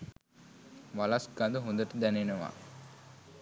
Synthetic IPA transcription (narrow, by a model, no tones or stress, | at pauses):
ʋalasɡand̪əɦond̪əʈəd̪ænenəʋa̰